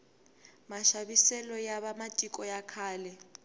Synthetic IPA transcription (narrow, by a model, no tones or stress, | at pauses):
maʃabisɛlɔjaβamatʼikʼɔjakʰaːlɛ